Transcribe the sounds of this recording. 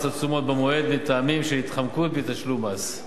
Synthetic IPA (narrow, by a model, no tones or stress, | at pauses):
sat͡sumo̞t̪̚bemoe̞d̪mit̪aːmimʃeit̪χamkut̪̚bet̪aʃlumaz